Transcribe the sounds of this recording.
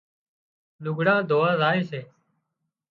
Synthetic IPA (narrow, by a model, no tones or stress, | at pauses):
lʊɡʱɽãːd̪ʱoːaːzaːeːseː